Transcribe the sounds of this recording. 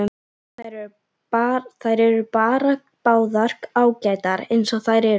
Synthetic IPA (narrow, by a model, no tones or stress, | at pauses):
aɾɛ | aθaðjɾɛɾʏɾpaːɾa | paːwðar̥kaːwcaːjt̪aɾejnsɔɣθajɾɛɾ